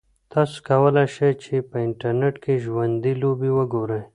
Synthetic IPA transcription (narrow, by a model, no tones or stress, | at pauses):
t̪askɐwəlaʃet͡ʃʰepəɪɳʈɐɾneʈkʰeʒwɐnd̪ilobiwəɡoɾej